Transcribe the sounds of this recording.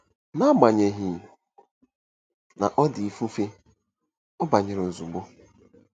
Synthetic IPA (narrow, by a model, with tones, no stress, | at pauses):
na˦ɡ͡ba˨ɲe˨ɦi˨ | na̰˨ʔɔ˦di˨fu˦fe˦ | ɔ˦ba˨ɲɪ˨ɾo˨zu˨ɡ͡bo˦